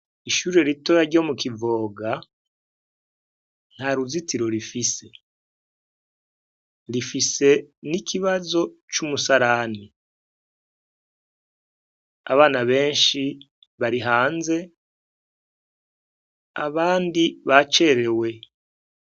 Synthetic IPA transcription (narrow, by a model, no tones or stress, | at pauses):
iʃuːɾiɾeɾito̞jaɾɟo̞ːmukivo̞ːɡa | n̥haɾuzitiɾo̞ɾifise̞ | ɾifise̞nikiβazo̞t͡ʃumusaɾaːni | a̰βaːnaβe̞ːnʃi | βaɾiɦaːnze̞ | a̰βaːndiβat͡ʃe̞ɾe̞we̞